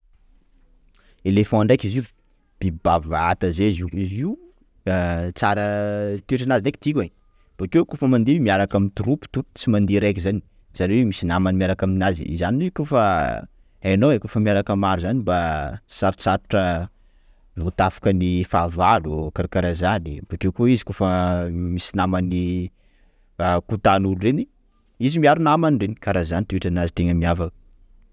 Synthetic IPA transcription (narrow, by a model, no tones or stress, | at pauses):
elefɔ̃aɳɖ͡ʐajkiziu | b̥ibavaat̪azeziiziu | t͡saɾət̪eʈ͡ʂanazineki̥t̪ika | b̥akekufəmand̪emiaɾakamint̪uɾupu̥t̪ut͡simand̪eɾakizani | saɾewemisinamanimiaɾakaminazḭḭzaniikofa | anowekofəmiaɾakamaɾuzanibasaɾt͡saɾuʈ͡ʂə | vot̪afḁkənifavalukaɾkaɾazanibaʈ͡ʂekoizi̥kofəmisinamani | kut̪anulureni | izimiaɾunamaniɳɖ͡ʐenikaɾazanit̪ueʈ͡ʂanazit̪eŋəmiavakə̥